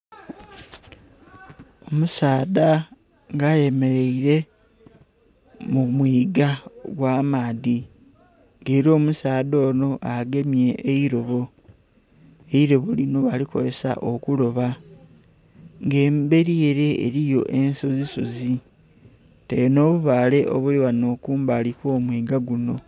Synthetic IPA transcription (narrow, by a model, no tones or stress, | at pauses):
o̞musaːda | ŋɡaje̞me̞ɾe̞iɾe̞ | mumwiːɡaɡwaːmaːði | ŋɡeːɾo̞ːmusaːdo̞ːno̞ʔaɡe̞mje̞ʔːiɾo̞βo̞ | eiɾo̞βo̞lino̞βaliko̞̰ɾe̞sa̰ʔo̞kulo̞βa | ŋɡe̞ːmbe̞ɾie̞ɾe̞̰ːɾijo̞̰ʔe̞nso̞ziso̞zi | tejono̞ːβuβaːle̞ʔo̰βuliwano̞ːkuːmbaːlikwo̞ːmwiːɡaɡuno̞